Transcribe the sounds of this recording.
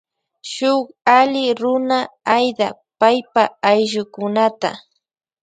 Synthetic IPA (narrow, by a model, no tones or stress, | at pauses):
ʃʊχalɪɾʊnaajd̪a̰ | pajpaːjʒʊkʊnat̪a̰